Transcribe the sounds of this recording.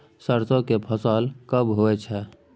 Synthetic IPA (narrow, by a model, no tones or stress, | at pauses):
səɾt̪õkepʰəsaːlkəbɦoet͡ʃʰɛː